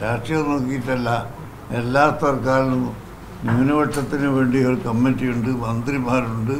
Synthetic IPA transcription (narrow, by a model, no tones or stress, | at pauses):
ɾaːʂʈrijɐmno̞ːkːijiʈːɐlːɐ | e̞lːaːt̪ɐrkaːɻilum | nuːnɐʋɐʈʂɐt̪ːinɨʋe̞ːɳɖiorkɐmːentːijuɳɖɨmɐnd̪rimaːɾuɳɖɨ